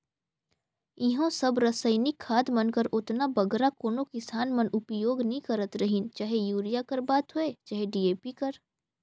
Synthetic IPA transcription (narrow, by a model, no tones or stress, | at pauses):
ɪɦõsɐbɾɐsəɪnɪkʰːaːd̪mɐnkəɾʊt̪nabɐɡɾakoːnõkɪsaːnmɐnʔʊpjoːɡnɐɦĩkɐɾət̪ɾɐɦĩnt͡ʃaɦejuːɾijakɐɾbaːt̪ɦʊeːt͡ʃaːɦeɖieːpikɐɾ